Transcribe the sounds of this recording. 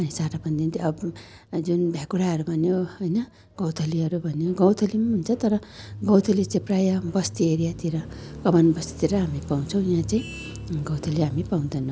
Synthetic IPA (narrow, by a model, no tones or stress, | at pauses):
ʌnisaɾapʌnd̪int̪iʌbd͡zunbʱjaɡuɽaʌɾubʱʌnjoɦʌjnʌ | ɡ̥ʌ̃wt̪ʰʌliʌɾubʱʌnjoɡʌwt̪ʰʌlimaunt͡sʰʌt̪ʌɾʌɡʌwt̪ʰʌlit͡saĩprajʌbʌst̪ieɾijat̪iɾʌkʌmʌnbʌst̪i̥t̪iɾʌɦamipaw̃t͡sʰʌ̃w̃jãt͡saĩ | ɡʌ̃wt̪ʰʌliɦamipãw̃nd̪ʌnʌ̃w